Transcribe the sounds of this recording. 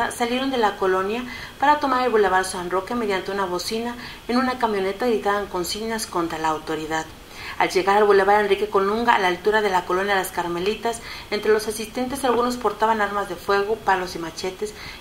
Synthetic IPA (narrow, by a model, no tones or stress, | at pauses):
asalje̞ɾo̞nd̪e̞lako̞lo̞nja | paɾat̪o̞maɾelβule̞βalsanro̞kemeðjant̪e̞unaβo̞sina | enũnakamjo̞ne̞t̪aeɾit̪aðaeŋko̞nsiɣnasko̞nt̪ɾalaːwt̪o̞ɾiðað | a̰lʝe̞ɣaɾalβule̞βalenrike̞ko̞nuŋɡaalalt̪uɾaðe̞lako̞lo̞njaelaskaɾme̞lit̪ase̞nt̪ɾe̞lo̞sasist̪e̞nt̪e̞salɣuno̞spo̞ɾt̪aβanaɾmazðe̞fwe̞ɣ̞o̞palo̞simat͡ʃe̞t̪es